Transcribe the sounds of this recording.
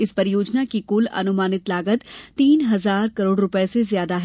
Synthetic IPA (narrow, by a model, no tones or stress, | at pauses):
ɪspɐɾɪjoːd͡ʒnakikʊlɐ̰nʊmaːnɪt̪laːɡət̪t̪ːiːnɦɐzaːɾkɐɾoːɽɾʊpɛɛsezjaːd̪aɦɛ